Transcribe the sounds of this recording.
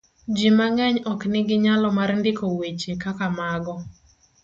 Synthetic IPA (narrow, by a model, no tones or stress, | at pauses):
d͡ʒimaŋɛɲɔknɪɡɪɲalɔmarndɪkowet͡ʃekakamaɡɔ